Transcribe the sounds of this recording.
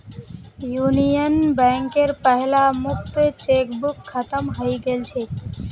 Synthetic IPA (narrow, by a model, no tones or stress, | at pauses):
junijənbɛ̃ŋkeɾpəɦlamʊk̚t̪t͡ʃekbukʰːət̪əmɦəjɡelt͡ʃʰe